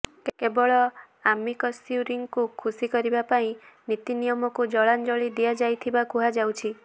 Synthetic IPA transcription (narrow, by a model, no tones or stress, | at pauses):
kkebɔɭɔ | amikɔsjuɾiŋkukʰusikɔɾibapaĩnit̪inijɔmɔkud͡ʒɔɭand͡ʒɔɭid̪iad͡ʒajt̪ʰibakuɦad͡ʒawt͡ʃʰi